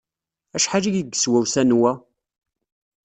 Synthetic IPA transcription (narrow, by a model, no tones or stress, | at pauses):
æʃħad͡ʒiʝiɡːə̥swæwsænwæ